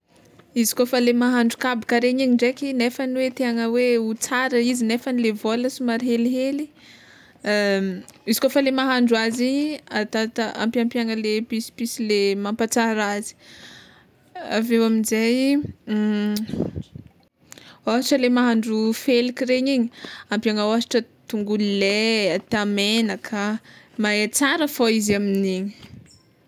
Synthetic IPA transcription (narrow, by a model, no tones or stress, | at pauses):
izi̥kofəlemaɦaɳɖ͡ʐukabikaɾeɲiɲiɳɖ͡ʐekinefaniwet̪eaŋəweut͡saɾəizinefanilevoləsumaɾɦeliɦeli | izi̥kofəlemaɦaɳɖ͡ʐuaziɲat̪at̪aʔa̰mpiampjaŋəlepisi̥pisilemampat͡saɾazi̥ | a̰vewaminzaj | oʈ͡ʂəlemaɦaɳɖ͡ʐufelikireɲiɲiampiaŋawasiʈ͡ʂət̪uŋɡulileat̪amenakʰə | maet͡saɾəfoizaminiɲi̥